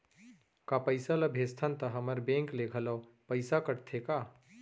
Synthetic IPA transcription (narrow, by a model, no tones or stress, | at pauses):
kapəɪsalɐbʱest̪ʰant̪ɐɦɐməɾbẽːŋklekʰələw | pəɪsakəʈt̪ʰekaː